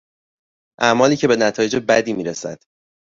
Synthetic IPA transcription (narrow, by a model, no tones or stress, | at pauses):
ʔæmɒːliːcʰe̞be̞næt̪ʰɒːje̞d͡ʒebæd̪iːmiːɾesæ̰d̪̥